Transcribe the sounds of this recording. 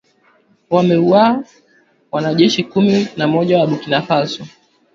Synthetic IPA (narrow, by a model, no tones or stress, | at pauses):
wamɛua | wanaʄɛʃikuminamɔʄawaɓukinafasɔ